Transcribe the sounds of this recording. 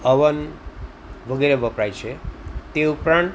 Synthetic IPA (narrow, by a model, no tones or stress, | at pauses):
əʋən | ʋəɡeɾeʋəpɾajt͡ʃʰet̪eupɾãɳʈ